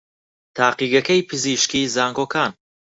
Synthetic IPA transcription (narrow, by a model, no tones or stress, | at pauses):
t̪ʰaːqiːɡɐkɐjpʰɨziːʃkiːzaːŋɡoːkʰaːn